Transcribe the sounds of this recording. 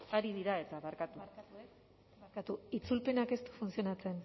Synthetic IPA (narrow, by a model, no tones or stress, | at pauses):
aɾiðiɾaet̪aβaɾkat̪ua | ɾkat̪uit͡sulpe̞nake̞st̪u̥funsio̞nat͡se̞n